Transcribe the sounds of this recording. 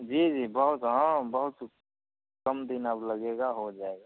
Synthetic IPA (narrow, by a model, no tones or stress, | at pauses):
d͡ʒiːd͡ʒiːbəɦʊt̪ɦãbəɦʊt̪ | kɐmd̪ɪnəblɐɡeɡaɦod͡ʒaːeɡaː